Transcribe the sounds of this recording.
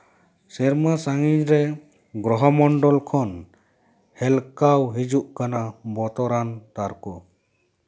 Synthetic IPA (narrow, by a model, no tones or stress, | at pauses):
sɛɾmasaŋiɲɾɛ | ɡɾɔɦɔmɔɳɖɔlkʰɔn | hɛlkawɦid͡ʒuʔkanabɔt̪ɔɾant̪aɾkɔ